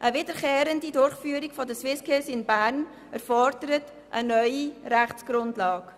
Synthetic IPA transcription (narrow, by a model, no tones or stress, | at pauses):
ʔəvɪdəkeːɾəndidʊɾχfyːəɾiɡfɔdəswɪskʰɪsɪnbæɾn | əɾfɔɾdəɾət | ʔənœʏiræχt͡sɡ̥ɾʊndlɑːk